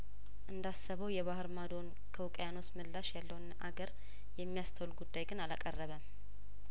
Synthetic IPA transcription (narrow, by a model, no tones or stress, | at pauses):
ʔɨnd̪asːəβəwjɛβahɨɾmad̪o̞n | kʰəwkʼjano̞smɨlːaʃjalːəwnʔa̰ɡəɾ | jɛmːijast̪ʰəwlɡud̪ːajɡɨnalakʼərːəβəm